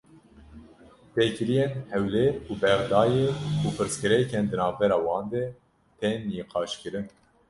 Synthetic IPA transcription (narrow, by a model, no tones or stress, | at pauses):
pekɨɾijenhɛwleɾuːbɛɣd̪ɑːjeuːpʰɨɾskɨɾɛkɛnd̪ɨnɑːvbɛɾɑːwɑːnd̪ɛ | t̪ʰɛnːiːqʰɑːʃkɨɾɨn